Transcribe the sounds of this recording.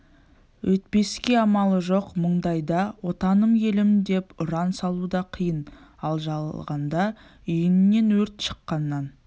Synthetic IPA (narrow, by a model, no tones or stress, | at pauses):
wʔɵt̪̚pe̞skʲe̞ɑmɑlˠəʒo̞qməɴd̪ɑjd̪ɑwo̞t̪ɑnəmje̞lɪmd̪e̞pʊɾɑnsɑlˠud̪ɑqʰijənɑlˠʒɑʁɑnd̪ɑ | ʏjɪnɪnːe̞nwɵɾt̪ʃə̥qːɑnːɑn